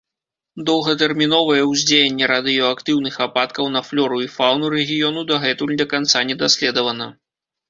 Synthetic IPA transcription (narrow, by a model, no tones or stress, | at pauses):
d̪ɔwɣɐt̪ɛrmʲinɔvɐjɛwzʲd͡zʲejʲenʲːɛɾad̪ɨjɔakt̪ɨwnɨxapat̪kɐwnɐflʲɔɾuifawnuɾɛɣʲijɔnud̪ɐɣɛt̪ulʲd̪ɐkant̪sanʲɛd̪asʲlʲɛd̪ɐvɐnɐ